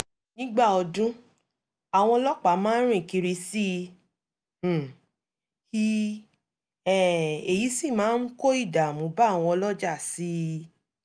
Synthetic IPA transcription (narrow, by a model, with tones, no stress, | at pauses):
nĩ˦ɡ͡ba˦˨ɔ˧dũ˦ | a˨w̃ɔ̃˧ɔ˧lɔ˦k͡pa˨˦mãː˦ɾ̃ĩ˦˨ki˧ɾi˧si˦˨ | hi˦ | ɛ˦˨e˨ji˨˦si˦˨mãː˨˦n̩˦ko˦i˦˨da˨mũ˨˦ba˦˨w̃ɔ̃˧ɔ˧lɔ˦d͡ʒa˦˨si˨˦